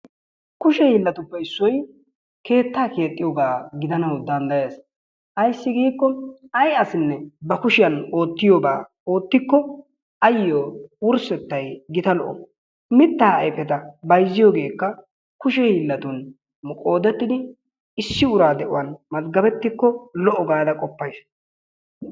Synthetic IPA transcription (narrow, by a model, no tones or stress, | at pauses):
kʊʃɛhiːlːɐt̪ʊpːɛɪsːɔj | ke̞ːt̪ːaːke̞ːt̪ʼːɪjoːɡaːɡɪd̪ɐnɐwd̪ɐnd̪ɐjeːs | ʔɐjsːɪɡiːkːɔɐjɐsɪnːɛbɐkʊʃɪjɐno̞ːt̪ːɪjoːba̰ː | o̞ːt̪ːɪkːɔ | ɐjːoːwʊɾsɛt̪ːɐjɡɪt̪ɐlɔ̰ʔɔ̰ | mɪt̪ːaːɐjfɛt̪ɐbɐjzːɪjoːɡe̞ːkːɐ | kʊʃɛhiːlːɐt̪ʊn | mʊkʼo̞ːd̪ɛt̪ːɪd̪ɪ | ɪsːɪʊɾaːd̪ɛʔʊ̰wɐnmɐt̪ɡɐbɛt̪ːɪkːɔlɔʔɔɡaːd̪ɐkʼɔpːɐjs